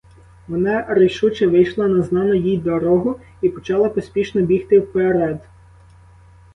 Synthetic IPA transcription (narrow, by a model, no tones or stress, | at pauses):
ʋɔnɑɾejʃut͡ʃɛʋɪjʃlˠɐnɐznɑnʊjijd̪ɔɾɔɦʊ | ipɔt͡ʃɑlˠɪpɔsʲpʲiʃnɔbʲixt̪ɪwpeɾɛd̪